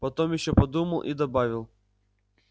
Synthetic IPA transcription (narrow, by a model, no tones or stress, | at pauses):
pɐt̪ɔmjɪʃʲt͡ʃːɛpɐd̪umɐlˠʔḭd̪ɐbɑʋʲɪlˠ